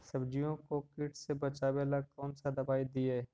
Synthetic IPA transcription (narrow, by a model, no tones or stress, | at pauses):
sɐbd͡ʒijõkokɪʈsebɐt͡ʃaːbelakɔːnsad̪ɐbaːid̪ieː